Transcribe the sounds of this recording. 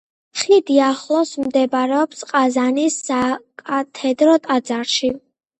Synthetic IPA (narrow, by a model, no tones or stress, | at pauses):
χlid̪iaχlˠɔsmd̪ɛbɾɛɔpsqʼazanisːakʼat̪ʰɛd̪ɾɔt̪ʼad̪zaɾʃi